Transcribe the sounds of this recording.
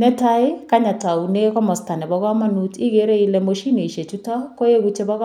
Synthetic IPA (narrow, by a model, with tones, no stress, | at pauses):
nɛ˦ta˦ɪ˦ka˦ɲa˨ta˨u˨ne˦kɔ˦mɔ˨sta˨nɛ˨bɔɣɔ˦ma˦nu˨ti˦ɡe˨˦ɾe˦i˦lɛ˨mo˨ʃi˦ne˨i˨ʃe˨t͡ʃu˦ta˦ko˦je˦ɡut͡ʃe˦bɔ˦ɣɔ˦